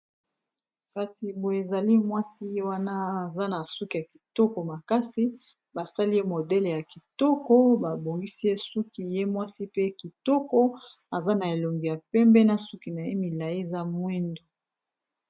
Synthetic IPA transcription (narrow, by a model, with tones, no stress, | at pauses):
ka˨si˨bo˨e˨za˨li˦mwa˦si˦je˦wa˦na˦a˨za˦na˨su˦ki˨a˨ki̥˨tɔ˦kɔ˨ma˨ka˦si˦ | ba˨sa˦li˦je˦mo˨dɛ˦le˨ja˨ki˨tɔ˦kɔ˦ba˨bo˨ŋɡi˦si˦je˦su˦ki˨je˦mwa˦si˦pe˦ki˨tɔ˦kɔ˦ | a˨za˦na˨e˨lo˨ŋɡi˨ja˨pɛ˦mbɛ˦na˦su˦ki˨na˨je˦mi˨la˨ji˦e˨za˦mwɛ˦ndo˨